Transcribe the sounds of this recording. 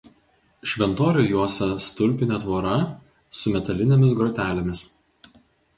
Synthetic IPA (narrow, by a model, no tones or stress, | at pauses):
ʃʲʋʲɛnt̪oːɾʲuːjuɔsʲɛst̪ʊlʲˑpʲɪnʲɛˑt̪ʋoːɾɐ | sʊmʲɛt̪ɐlʲɪnʲɛmʲɪs̬ɡɾɔt̪ʲæːlʲɛmʲɪs